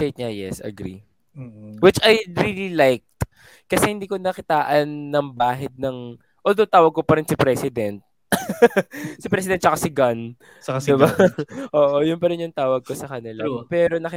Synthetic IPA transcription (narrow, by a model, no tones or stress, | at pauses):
t̪ejt̪̚ɲajɛ̰sɐ̰ɡɾḭ | wɪt͡ʃɐjɹiːlilajk̚t̪ | kɐsɛhɪnd̪iːko̞nɐkɪt̪aːʔɐnːɐŋbaːɦɛd̪̚nɐŋ | ʔoːld̪owt̪aːwɐɡ̚kopɐɾɪnsɪpɾɛsɪd̪ɛnt̪̚ | sɪpɾɛs̬ɪd̪ɛn̚t͡ʃɐkasɪɡɐn | d̪ɪbaʔoːʔojʊnpɐɾɪnjʊŋt̪aːwɐɡ̚ko̞sɐkɐnɪlapɛːɾonɐkɪ